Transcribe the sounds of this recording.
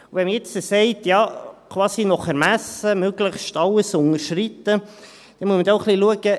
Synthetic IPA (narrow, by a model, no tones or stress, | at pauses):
uvɛnməjɛt͡səseɪtjɑːkʰvɑːsinɔχæɾmæsəmøɡləχʃtɑlːəsʊŋəɾʃrit̪ːə | d̥ɛnmuəsməd̪ʊχliluəɡə